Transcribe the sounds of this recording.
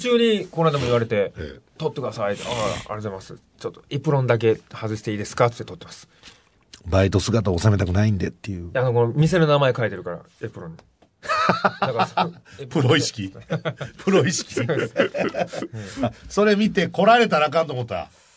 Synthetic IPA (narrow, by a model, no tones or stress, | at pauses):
t̪t͡ɕɨːɲ̟ikonɾad̪amo̞iβaɾe̞t̪e̞t̪o̞t̪ːekd̪asaiaa̰ɾeoemasɨ | t͡ɕot̪ːoepɯ̟ɾõ̞nd̪ak̬e̞hazɨɕi̥t̪e̞iːd̪e̞sɨ̥kat̪ɨ̥t̪ːet̪o̞t̪ːemasɨ̥ | bait̪o̞sɨɡat̪aːsame̞t̪akɯ̟naĩnd̪et̪ːejɯanokoomʲis̬e̞nonamaekaet̪e̞ɾɯ̟kaɾa̰ | epɯ̟ɾõne | d̪akasepɾoii̥kʲipʰɯɾoiɕi̥kʲi | so̞ɾe̞mʲit̪e̞ko̞ɾaɾe̞t̪aɾakãnt̪̬omot̪ːoa̰